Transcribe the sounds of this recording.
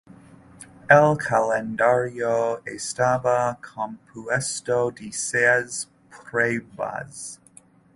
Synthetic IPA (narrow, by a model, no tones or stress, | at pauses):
ɛlˠkʰalɛ̃ndaɹioʊestabakʰɑ̃mpʰuɛstoʊdisɛz | pʰɹ̥eɪba̰z̥